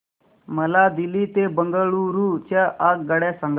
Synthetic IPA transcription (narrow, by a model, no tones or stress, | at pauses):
məlad̪ilit̪ebəŋɡəɭuɾut͡ɕaʔakɡəɽjasəŋɡ